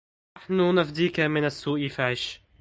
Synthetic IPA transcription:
naħnʊnafd̪iːkamɪnasːuːʔɪfaʕɪʃ

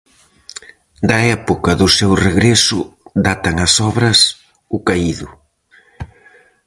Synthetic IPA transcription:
d̪ɐɛpʊkɐðʊsewreɣɾesʊd̪at̪ɐŋɐsɔβɾɐs | ʊkaiðʊ

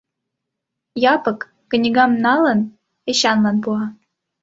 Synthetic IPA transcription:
jɑpɤ̆kː | ə̆nʲiɣɑmnɑlə̆n | eɕɑnlɑnpuɑ

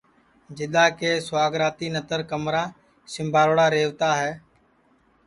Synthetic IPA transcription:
d͡ʒɪɗ̪aːkeːswaːɡɾaːt̪iːnət̪əɾkəmɾaː | sɪmbʱaːɾoːɽaːɾeːʋt̪aːɦɛː

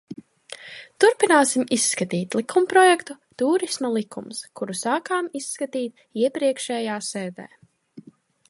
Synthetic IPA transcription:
t̪uɾpinaːsimisːkat̪iːt̪lˠikʰumpɾɔjɛkt̪u | t̪uːɾismalˠikʰṵmskuɾusaːkaːmisːkat̪iːt̪̚ | iɛpɾiɛkʃɛːjaːsɛːd̪ḛː

